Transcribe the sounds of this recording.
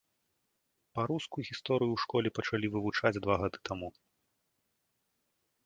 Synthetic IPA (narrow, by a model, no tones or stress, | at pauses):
paɾuskujuɣʲist̪ɔɾɨjuwʂkɔlʲɛpɐt͡ʂalʲivɨvut͡ʂad͡zʲd̪vaɣad̪ɨ̥t̪amu